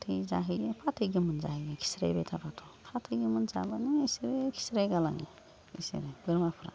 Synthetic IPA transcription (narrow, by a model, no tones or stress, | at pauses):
tʰɯjzaɦɯjepʰatʰɯjɡimɯnzaɦɯjekʰi̥sɾa̰jbetʰapʰatʰɔ̥pʰatʰɯjɡimɯnza̰baneisiɾekʰi̥sɾajɡala̰ŋi | ḭsḛɾebɯɾmapʰɾa̰